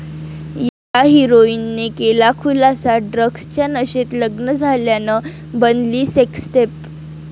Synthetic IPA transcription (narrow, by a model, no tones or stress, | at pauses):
j | aɦiɾoinːekelakʰulasaɖɾəɡst͡ɕjanəɕet̪ləɡnəd͡zʱaljanə | bənliːseksʈep̚